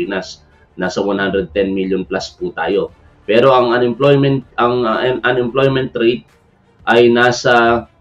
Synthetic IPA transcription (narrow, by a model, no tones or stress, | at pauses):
inas | naːsɐwanhand̪ɾɛd̪̚t̪ɛnmiljonplasput̪a̰ːjo̞ | pɛːɾo̞ʔɐŋɐnɪmplojmɛnt̪̚ʔɐŋnʔɐnɛmplojmɛnt̪ːɾejt̪̚ | ʔɐjnaːsɐ